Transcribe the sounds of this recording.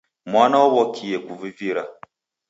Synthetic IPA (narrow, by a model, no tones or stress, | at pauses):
mwanawwɔkʰijekʷuviviɾa